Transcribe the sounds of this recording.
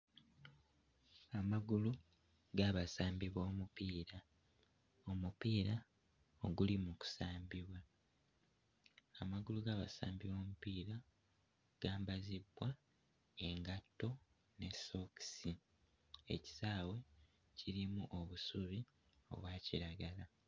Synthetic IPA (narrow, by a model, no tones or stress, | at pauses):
amaɡulu | ɡaβasaːmbiβo̞ːmupiːɾa | omupiːɾa | oɡulimuku̥saːmbiβwa | amaɡuluɡaːβa̰sa̰ːmbiβo̞ːmupiːɾa | ɡ̥aːmbazibːwa | e̞ŋɡatːo̞ | ne̞so̞ksi | e̞̰ci̥saːwe̞ | ciɾimuʔo̞βusuβi | o̞̰βwaːciɾaɡala